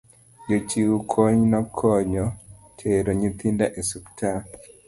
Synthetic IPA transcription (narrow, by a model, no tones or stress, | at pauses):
jot͡ʃiukʰoɲnɔkʰɔɲɔtʰeɾoɲit̪indaʔesuktʰa